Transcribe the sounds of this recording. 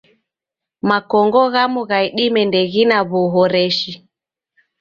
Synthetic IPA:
makɔŋɡɔɣamuɣaiɗimɛndɛɣinaβuɦɔɾɛʃi

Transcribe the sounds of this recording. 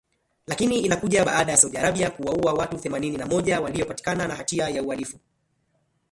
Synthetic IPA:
lakiniinakuʄaɓa̰aɗajasauɗiaɾaɓiakuwauawatuθɛmanininamɔʄawaliɔpati̥kananahatiajaualifu

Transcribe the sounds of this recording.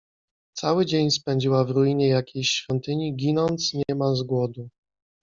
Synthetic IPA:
t̪sawɘd͡ʑeɲspɛɲd͡ʑiwavɾujiɲɛjakʲejɕfʲjɔnt̪ɘɲiɡʲinɔnt̪sɲɛmazɡwɔd̪u

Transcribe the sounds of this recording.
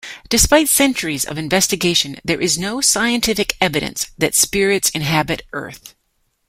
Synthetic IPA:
d̥ɨspaɪtsɛ̃nt͡ʃə˞izʌ̰vɨ̃ɱvɛstɨɡeɪʃɨ̃nðə˞ʔɨznoʊsaɪɨ̃ntʰɪfɨkɛvɨɾɨ̰̃nsðɨtspɪɹɨtsɨ̃nɦæbɨɾɜ̰˞θ

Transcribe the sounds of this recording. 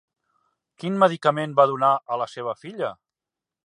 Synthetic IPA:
kinməðikəmenbaðunaʔələseβ̞əfiʎə

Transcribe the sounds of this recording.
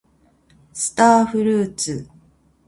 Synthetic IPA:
sɨ̥t̪aːɸɯ̟ɾɯ̟ːt͡sɨ

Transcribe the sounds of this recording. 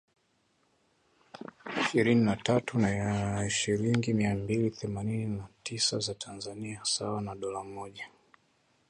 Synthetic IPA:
iʃiɾininatatunaiʃiɾiŋɡimiambiliθɛmanininatisazatʰanzaniasawanaɗɔlamɔʄa

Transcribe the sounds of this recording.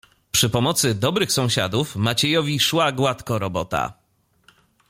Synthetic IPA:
pʂɘpɔmɔt̪sɘd̪ɔbɾɘxsɔ̃w̃ɕa̰d̪ufmat͡ɕɛjɔvʲiʂwaɡwat̪kɔɾɔbɔt̪a̰

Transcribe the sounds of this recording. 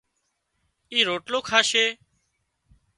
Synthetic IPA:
iːɾoːʈloːkʰaːʃeː

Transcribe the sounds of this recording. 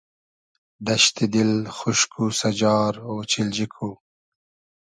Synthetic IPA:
d̪ɐʃt̪id̪ɪlxʊʃkʰusad͡ʒɑːɾoːt͡ʃild͡ʒikʰu

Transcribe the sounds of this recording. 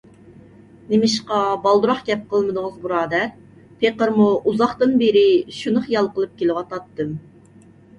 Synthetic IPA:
nemɪʃqɑbɑlˠd̪uɾɑχɡʲɛp̚qʰəlˠmɨd̪ʊŋəzbuɾɑːd̪ɛɾ | pʰeqəɾmuʔuzɑχt̪ɨnbeɾɪʃunɨχjɑlˠqəlˠɨp̚kʲelɪwɑt̪ɑt̪ːɨm

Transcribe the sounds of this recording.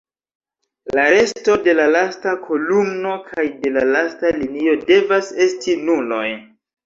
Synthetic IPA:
laɾe̞sto̞de̞lalastakʰo̞lumno̞kʰajde̞lalastalinio̞de̞vase̞stinulo̞j

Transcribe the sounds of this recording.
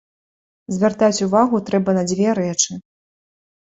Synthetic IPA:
zʲvʲart̪at͡sʲuvaɣut̪ɾɛbɐnɐd͡zʲvʲɛɾɛt͡ʂɨ

